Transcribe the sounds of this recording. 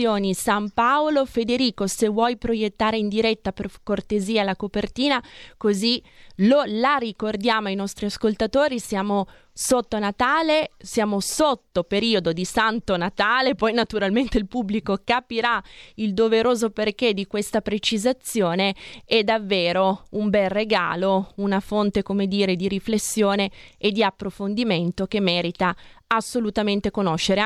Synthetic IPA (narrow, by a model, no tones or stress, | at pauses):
joːnisampaolofed̪eɾiːkosevwɔjpɾojet̪ːaːɾeind̪iɾɛt̪ːaperkort̪eziːalakopert̪iːnakozilolarikord̪jaːmoajnɔst̪ɾiaskolt̪at̪oːɾisjaːmo | sot̪ːonat̪aːlesjaːmosot̪ːopeɾiːod̪od̪isant̪onat̪aːlepɔjnat̪uɾalment̪eilpubːlikokapiɾaild̪oveɾoːzoperk̟ed̪ikwest̪apɾet͡ʃizat̪sːjoːneɛd̪ːavːeːɾoumbɛlreɡa̰ːlounafont̪ekomed̪iːɾed̪iɾiflesːjoːneːd̪ːiapːɾofond̪iment̪okemːɛːɾit̪aasːolut̪ament̪ekonoʃːeɾe